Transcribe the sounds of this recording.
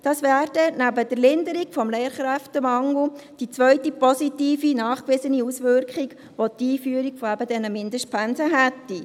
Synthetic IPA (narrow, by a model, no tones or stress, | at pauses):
d̥ɑsʋæːɾd̥ɛnæbəd̥əɾlɪndəɾikfɔmleːɾχɾæftəmɑŋl̩d̥it͡sʋœɥtipɔsitiːfinɑːχkʋɪsəniusʋʏɾkχiɡ | ʋotiːfyəɾikfoæbədɛnəmɪndəst̚pʰænsəɦɛtːi